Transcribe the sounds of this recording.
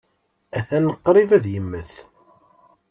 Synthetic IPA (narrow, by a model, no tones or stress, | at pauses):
æθænəqːɾˤivæðjəmːəθ